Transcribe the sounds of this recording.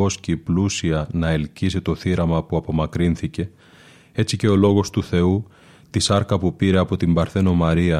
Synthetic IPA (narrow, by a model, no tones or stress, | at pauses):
o̞sciplusiɐnɐe̞lcizit̪o̞θiɾɐmɐpuɐpo̞mɐkɾinθice̞ | e̞t͡sice̞o̞lo̞ɣo̞st̪uθe̞u | t̪isɐɾkɐpupiɾe̞ɐpo̞t̪imbɐɾθe̞no̞mɐɾiɐ